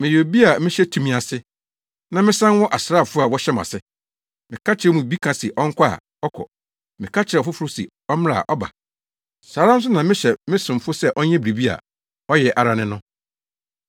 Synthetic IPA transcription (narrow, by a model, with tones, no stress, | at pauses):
mɪ̃˨jo˨bi˦a˨mɪ̃˦ɕɛ˦tʰũ˨mĩ˨a˨sɪ˦ | nã˦mɪ̃˦sã˦n˦wɔ˦ʔa˨sɾaː˦˨fʊ˦a˨wɔ˦ɕɛ˦m˨a̰˨sɪ˦ | mɪ̃˨kʰa˦t͡ɕʰɪ˨ɾɛ˦mũ˨bi˦kʰã˨sɪ˨ʔɔ˦ŋ̩˦kʷʰa˦a̰˨ | ɔ˦kʰɔ̰˨ | mɪ̃˨kʰa˦t͡ɕʰɪ˨ɾɛ˨fʊ˦fʊ˦ɾʊ˦sɪ̰˨ | ɔ˦m˦a̰˨ʔɔ˦ba̰˨ | saː˨˦ɾa˦n̩˦s̬ʊ˦nã˨mɪ̃˦ɕɛ˨mɪ̃˦sʊ̃˨m˨fʊ˦sɛ˦ʔɔ˦ɲɛ̃˦bɾi˨bi˦a̰˨ | ɔ˦jɛ˨ʔa˨ɾa˨nɪ̃˦nʊ̃˦